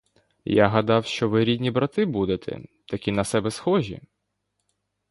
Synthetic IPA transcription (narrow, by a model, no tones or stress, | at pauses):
jaɦɐd̪ɑwʃt͡ʃɔʋɪɾʲid̪ʲnʲibɾɐt̪ɪbud̪et̪ʰɛ̰ | t̪ɐkʲinɐsɛbɛsxɔʒʲḭ